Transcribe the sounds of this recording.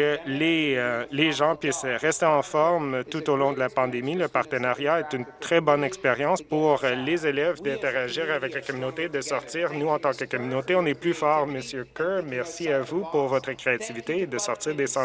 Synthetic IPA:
əleleʒɑ̃pɥɪsʁɛst̪eɑ̃fɔʁmt̪ut̪olɔ̃d̪əlapɑ̃d̪emiləpaʁt̪ənaʁjaɛt̪ynt̪χɛbɔnɛkspeʁjɑ̃spuʁlezelɛvd̪ɛ̃t̪eʁaʒiːʁavɛklakɔmynot̪ed̪əsɔʁt̪iːʁnuɑ̃t̪ɑ̃kəkɔmynot̪eɔ̃nɛplyfɔːʁməsjøkømɛʁsiavupuʁvɔt̪χəkχeat̪ivit̪eːd̪əsɔʁt̪iːʁd̪esɑ̃

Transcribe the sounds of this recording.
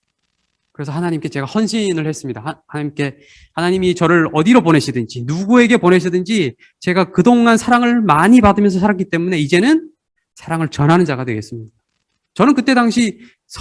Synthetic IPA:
kɯɾe̞sʰʌhanaɲimk͈e̞t͡ɕe̞ɡahʌnɕʰinɯɭhe̞s͈ɯmɲidahanaɲimk͈e̞ | hanaɲimit͡ɕʌɾɯɾʌdiɾopone̞ɕʰidɯnd͡ʑinuɡue̞ɡe̞pone̞ɕʰidɯnd͡ʑi | t͡ɕe̞ɡakɯdoŋansʰaɾaŋɯɭmaɲipadɯmjʌnsʰʌsʰaɾak̬͈it͈e̞mune̞id͡ʑe̞nɯn | sʰaɾaŋɯɭt͡ɕʌnɦanɯnd͡ʑaɡadwe̞ɡe̞s͈ɯmɲida | t͡ɕʌnɯnkɯt͈e̞daŋɕʰi | sʰ

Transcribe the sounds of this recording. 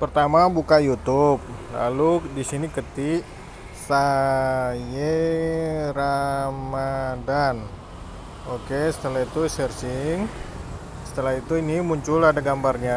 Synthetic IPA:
pərt̪amabukajut̪up̚la̰ludisinikət̪iʔ | sa | je | ɾamadan | okesə̥t̪əlaɦit̪usɛrsɪŋ | ssə̥t̪əlaɦit̪uinimuɲt͡ʃuladaɡambarɲa

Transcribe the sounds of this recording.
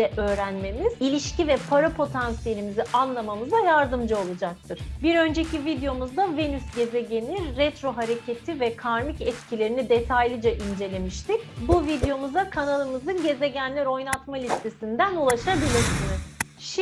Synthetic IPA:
ɛʔøːɾænme̞miz̥ilʲiʃcivɛpʰaɾapʰo̞t̪ʰansije̞lʲimiziʔanlˠamamɯzajaɾd̪ɯmd͡ʒao̞lˠud͡ʒak̚t̪ʰɯɾ̥biɾø̞nd͡ʒe̞civid̪ejo̞muzd̪ave̞nysɟe̞zeɟe̞niɾːɛt̪ɾo̞ɦaɾe̞cʰe̞t̪ʰivɛkʰaɾmicɛt̪cʰilʲe̞ɾinid̪e̞t̪ʰajlʲˠɯd͡ʒaʔind͡ʒe̞lʲe̞miʃt̪icbuvid̪jo̞muzakʰanalˠɯmɯzɯnɟe̞ze̞ɟænlʲæɾo̞jnat̪malʲist̪ʰe̞sind̪ænulˠaʃabilʲiɾsɯnɯz | ʃ

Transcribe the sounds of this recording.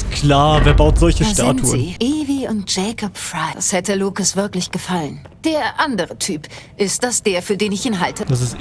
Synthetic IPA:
kʰlaːveːɐbaʊtz̥ɔlçəʃta̰ːntʰuə̰nːʔiːviʊnt̚d͡ʒ̥ɛkʰɔpfʁaɪashɛtəluːkəsv̥ɪɐklɪçɡ̥əfalən | d̥eːɐʔandəʁətʰyːpʔɪst̚d̥asd̥eːɐfyːɐdeːnɪçiːnɦaltəd̥as̬ɪst

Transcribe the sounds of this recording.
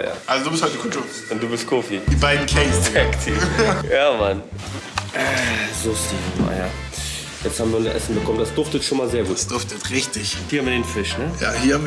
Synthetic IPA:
ja̰ːʔalzodubɪsthɔʏtəkʰʊtʰu | ʊnt̚d̥uːbɪstkʰoːfid̥iːbaɪdn̩kʰlɛnstʰɛktʰijaːman | ʔɛzostima̰ja̰ː | jɛt͡sthabmviːɐnʔɛ̰sn̩bəkʰɔməndasd̥ʊɐftətʃoːnmaːlzeːɐɡuːtsddʊɐftətʁɪçtɪçhiːhamvɪdeːnfɪʃnəja̰ːhiːɐham

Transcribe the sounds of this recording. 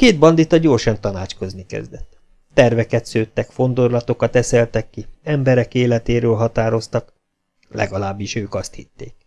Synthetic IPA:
keːd̪̚bɒnd̪it̪ɒɟoːrʃɒnt̪ɒnaːt͡ʃko̞znikɛ̰zd̪ɛt̪ː | ɛrvɛkɛt̪søːt̪ːɛkfo̞nd̪orlɒt̪o̞kɒt̪ɛsɛlt̪ɛkːiɛmbɛɾɛkeːlɛt̪eːɾøːlɦɒt̪aːɾo̞st̪ɒk | lɛ̰ɡɒlaːbːiʃøːkɒst̪hit̪ːḛːk̚

